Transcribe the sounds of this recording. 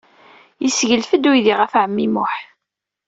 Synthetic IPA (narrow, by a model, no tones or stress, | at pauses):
jəsʝəlfəd̪wijðiʁæfʕəmːimʊħ